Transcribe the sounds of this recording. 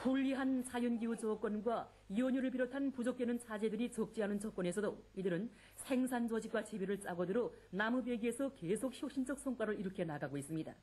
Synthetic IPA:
toʎːiɦant͡ɕajonɡiut͡ɕʌk͈wʌnɡwa | iwʌɲuɾɯɭpiɾotʰanpud͡ʑok̚k͈enɯnt͡ɕʰad͡ʑe̞dɯɾit͡ɕʌk̚t͡ɕ͈iɦanɯnt͡ɕʌk͈wʌne̞sʰʌdoidɯɾɯn | sʰe̞ŋsʰand͡ʑʌd͡ʑik͈wat͡ɕebeɾɯɭs͈aɡʌdɯɾonamubeɡie̞sʰʌke̞sʰok̚çjok̚ɕ͈ind͡ʑʌk̚s͈ʰʌŋk͈waɾɯɭiɾɯkʰe̞naɡaɡois͈ɯmɲida̰

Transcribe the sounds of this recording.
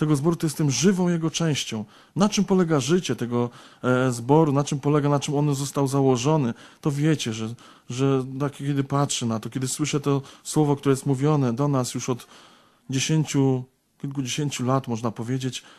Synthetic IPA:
t̪ɛɡɔzbɔɾut̪ɔjɛst̪ːɛmʐɘvɔ̃w̃jɛɡɔt͡ʂɛ̃w̃ɕt͡ɕɔ̃w̃ | nat͡ʂɘmpɔlɛɡaʐɘt͡ɕɛt̪ɛɡɔzbɔɾunat͡ʂɘmpɔlɛɡanat͡ʂɘmɔnzɔst̪awzawɔʐɔnɘt̪ɔvʲjɛt͡ɕɛʐɛ | ʐɛt̪akʲkʲɛd̪ɘpatʂɛnat̪ɔkʲjɛd̪ɘswɘʂɛt̪ɔswɔvɔkt̪uɾɛjɛst̪muvʲjɔnɛd̪ɔnasjuʂɔt̪ | d͡ʑeɕeɲt͡ɕu | kʲilk̬ud͡ʑeɕeɲt͡ɕulat̪mɔʐnapɔvʲjed͡ʑet͡ɕ

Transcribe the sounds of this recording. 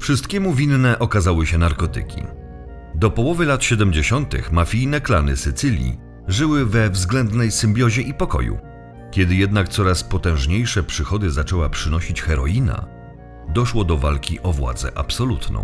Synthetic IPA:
fʂɘst̪kʲɛmuvʲinːɛʔɔkazawɘɕɛnaɾkɔt̪ɘ̰kʲḭ | d̪ɔpɔwɔvɘlat̪ɕɛd̪ɛmd͡ʑeɕɔnt̪ɘ̰xmafʲijnɛklanɘ̰sɘt̪sɘlʲḭ | ʐɘwɘvɛvzɡlɛnd̪nɛjsɘmbʲjɔʑɛʔipɔkɔ̰jṵ | kʲɛd̪ɘjɛd̪nakt̪sɔɾaspɔt̪ɛ̃w̃ʐɲejʂɛpʂɘxɔd̪ɘzat͡ʂɛwapʂɘnɔɕit͡ɕxɛɾɔina̰ | d̪ɔʂwɔd̪ɔvalkʲiʔɔvwa̰d̪zɛ̰ʔapsɔlut̪nɔ̰̃w̃

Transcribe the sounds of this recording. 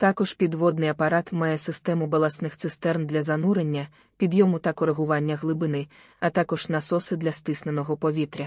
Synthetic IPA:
t̪ɑkɔʒpʲid̪ʋɔd̪nɪjɐpɐɾɑt̪mɑjɛsɪst̪ɛmʊbɐlˠɐsnɪxt̪sɪst̪ɛrnd̪lʲɐzɐnuɾenʲːɐ | pʲid̪jɔmʊt̪ɐkɔɾeɦʊʋɑnʲːɐɣlˠɪbɪnɪ | ɐt̪ɑkɔʒnɐsɔsɪd̪lʲɐst̪ɪsnenɔɦɔpɔʋʲit̪ɾʲɐ

